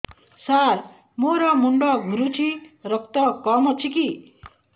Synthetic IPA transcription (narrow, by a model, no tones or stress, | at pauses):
saɾ | moɾʌmuɳɖɔɡʱuɾut͡ʃʰiɾʌk̚t̪ɔkɔmʌt͡ʃʰiki